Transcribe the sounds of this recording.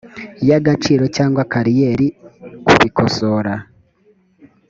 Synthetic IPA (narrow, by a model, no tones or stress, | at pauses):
jaɡat͡ʃiːɾo̞caːŋɡwakaɾijeɾikṵβikoso̞ɾa